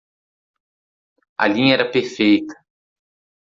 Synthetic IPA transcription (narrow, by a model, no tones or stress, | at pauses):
ɐ̰lĩɲɐɛɾɐpeɾfejt̪ɐ̥